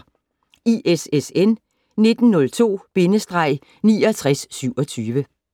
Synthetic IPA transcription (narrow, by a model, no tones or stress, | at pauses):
iʔesesen | ne̝d̥n̩nɔ̽lt͡sʰo̝̰ːb̥e̝nəsd̥ʁɑ̈ɪ̰ | nḭːɒt͡sʰʁasːyʊ̰ɒ̽t͡sʰyːʋə